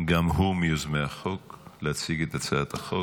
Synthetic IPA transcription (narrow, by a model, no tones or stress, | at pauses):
ɡamhumejozmeaχo̞klehat͡siɡet̪at͡saat̪aχo